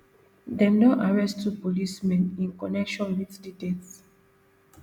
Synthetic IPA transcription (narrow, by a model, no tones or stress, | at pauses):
dɛ̃mnɔʔaɹɛstːupolismɛ̃nĩnkɔnɛkʃɔ̃nwitditets